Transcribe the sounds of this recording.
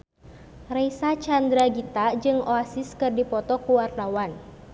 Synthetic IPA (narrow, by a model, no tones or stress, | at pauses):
rɛjsat͡ʃand̪ɾaɡit̪ad͡ʒɨŋoasɪskɨrdipɔt̪ɔkuwart̪awan